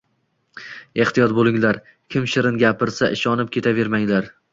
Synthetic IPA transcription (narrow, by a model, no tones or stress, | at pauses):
e̞ht̪ijɒt̪̚bolˠɪŋlaɾ | kʲʰɪmʃɪɾɪnɡʲapɪɾsaʔɪʃɒnɪp̚kʲʰe̞t̪ʰave̞ɾmaŋlaɾ